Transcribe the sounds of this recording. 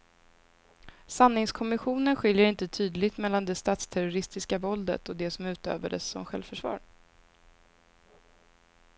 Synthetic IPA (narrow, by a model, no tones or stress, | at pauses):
sanːɪŋskʰɔmɪɧuːnənɧɪljəɾɪnt̪ət̪ʰyːd̪lɪɡt̪mɛlːand̪ɛst̪ɑːt̪st̪ʰæɾʊɾɪst̪ɪskavɔld̪ə̰t̪ɔd̪ɛsɔmʉ̟ːt̪ø̰ːvaɖə̰sːɔ̰mɧɛ̰lvfœʂvɑ̰ːɾ